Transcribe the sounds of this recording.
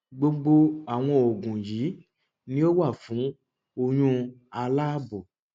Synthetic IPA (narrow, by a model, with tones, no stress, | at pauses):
ɡ͡bo˧ɡ͡bo˧a˨w̃ɔ̃˧o˨ɡũ˨ji˨˦ | nĩ˦o˦wa˦˨fũ˨˦ | o˧jũ˧˦a˧la˦bo˨